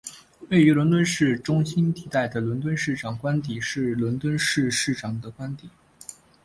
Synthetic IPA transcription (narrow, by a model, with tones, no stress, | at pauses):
we˥˩ɪy˧˥lwə˧˥nt̪wə˥nʂɻ̩˥˩ʈ͡ʂʊ˥ŋɕi˥nt̪i˧˩t̪a˥˩ɪd̪ə˩lwə˧˥nt̪wə˥nʂɻ̩˥˩ʈ͡ʂɑ˨˩ŋkwa˥nt̪̬i˨˩˦ʂɻ̩˥˩lwə˧˥nt̪wə˥nʂɻ̩˥˧ʂɻ̩˥˩ʈ͡ʂɑ˨˩ŋd̪ə˦kwa˥nt̪i˨˩˦